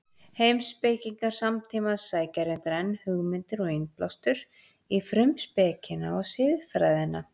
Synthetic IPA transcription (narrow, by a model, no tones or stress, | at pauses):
heːjmspejciŋkaɾ̥samt̪ʰiːmaðsaːjcaɾɪnt̪aɾɛnːhʏɣmɪnt̪ɪɾɔɣenplɔ̰wst̪ʏɾ̥ | ifɾʏmspɛːcɪnaɔɣsɪðfɾaːjðɪna